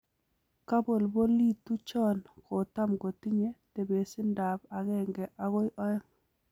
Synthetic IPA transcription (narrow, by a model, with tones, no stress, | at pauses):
ka˦bo˨lbo˦li˦˨tu˦t͡ʃɔ˦nko˨ta˦mko˨ti˦ɲe˦te˨be˨sɪ˦nda˨ba˨ɣɛ˦˨ŋɡɛ˨ʔa˨ɣo˦jʔɔ˦ɔ˦ŋ